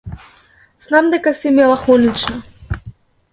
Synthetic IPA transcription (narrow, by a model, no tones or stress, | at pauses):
z̥namd̪ɛkasimɛlˠaxɔnit͡ʃna